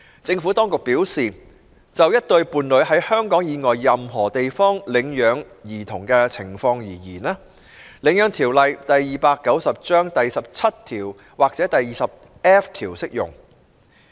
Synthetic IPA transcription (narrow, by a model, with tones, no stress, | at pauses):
t͡sɪ˧ŋfu˨˥t̪ɔː˥ŋkʊ˨˩k̚piː˨˥wsiː˨ | t͡sɐ˨wjɐ˥t̚t̪ɵ˧ɥpuː˨nlɵ˨˧˥ɥɦɐ˨˥jhœː˥ŋkɔː˨˥ŋjiː˨˧ŋɔː˨jːɐ˨mɦɔː˨˩t̪e˨jfɔː˥ŋlɪ˨˧ŋjœː˨˧ŋ | jiː˨˩t̪ʰʊ˨˩ŋkɛː˧t͡sʰɪ˨˩ŋfɔː˧ŋjiː˨˩jḭː˨˩naː˥ | lɪ˨˧˥ŋjœː˨˧˥ŋt̪ʰiː˨˩wlɐ˨jt̪ɐ˨jːiː˨paː˧kːɐ˨˥wsɐ˨p̚t͡ʃœː˥ŋt̪ɐ˨jsɐ˨p̚t͡sʰɐ˥t̚t̪ʰiː˨˩w | waː˨˩k̚t͡sɛː˨˥t̪ɐ˨jːiː˨sɐ˨p̚ | ɛː˥ft̪ʰiː˨˩wsɪ˥k̚jʊ̰˨˩ŋ